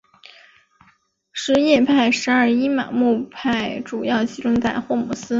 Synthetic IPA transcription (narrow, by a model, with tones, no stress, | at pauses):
ʂɻ̩˧˥jɛ˥˧pʰa˥˩ɪʂɻ̩˧˥ɐ˞˥˩i˥ma̰˨˩mu˥˧pʰa˥˩ɪʈ͡ʂu˨˩jɑ˥˩ʊt͡ɕi˧˥ʈ͡ʂʊ˥ŋt͡sa˥˧ɪxwɔ˥˩mu˨˥˩sɹ̩˥